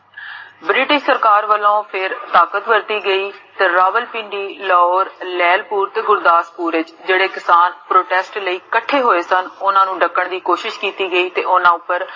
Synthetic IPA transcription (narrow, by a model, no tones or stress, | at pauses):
bɾɪʈɪʃsəɾkaːɾʋəlːõːpʰɪɾt̪aːkət̪ʋəɾt̪iːɡəiːt̪eːɾaːʋəlpɪ̃ːɳɖiːlɔːoːɾlɛːlpuːɾt̪eːɡʊɾd̪aːspuːɾɪt͡ʃd͡ʒeːɽeːkɪsaːnpɾoːʈɛːsʈləiːkəʈʰːeːɦoːeːsənʊnãːnũːɖəkːəɳd̪iːkoːʃɪʃkiːt̪iːɡəiːt̪eːʔʊnãːʊpːəɾ